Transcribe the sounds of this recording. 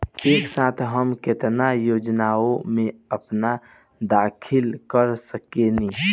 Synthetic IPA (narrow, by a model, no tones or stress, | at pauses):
eːksaːt̪ʰɦəmkɪt̪najoːd͡ʒnaːomẽəpna | d̪aːkʰɪlkəɾsəkeni